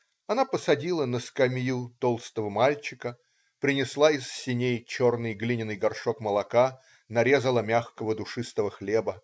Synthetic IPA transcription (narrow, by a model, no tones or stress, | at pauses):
ɐnapəsɐdʲilˠənəskɐmʲjut̪olˠst̪əvəmalʲt͡ɕɪkə | pɾʲɪnʲɪslˠaɪsːʲɪnʲejt͡ɕo̞rnɨjɡlʲinʲɪnɨjɡɐrʂokməlˠɐka | nɐɾʲe̞zəlˠəmʲaxkəvəd̪ʊʂɨst̪əvəxlʲebə